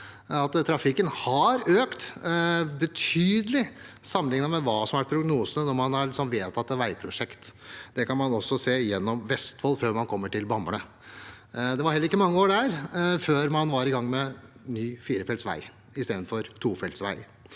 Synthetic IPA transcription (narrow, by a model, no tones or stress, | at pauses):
ɑt̪t̪ʰːɾɑfɪkːənhɑɾøːkt̪ | bət̪ʰyːd̪əlɪsɑmːənɪŋənəmɛʋɑːsɔmɑæʈpʰɾʊɡnuːsənənɔɾmɑnhɑɾlɪksɔmʋeːt̪ʰɑt̪ːəʋæɪpʰɾʊʂɛkt̪d̪̥ɛkɑnmɑnɔsːɔseːjɛnːɔmʋɛst̪fɔlːføːɾmɑnkʰɔmːəʈɪlbɑməɳə | d̪ɛʋɑɾɛlːɾɪkːəmɑŋːəoːɖæːɾføːɾmɑnʋɑɾɪɡɑŋːmɛ | nyːfiːɾəfɛlsʋæ̰ɪ | ɪst̪eːd̪nfɔɾt̪ʰuːfɛlt̪sʋæ̰ɪ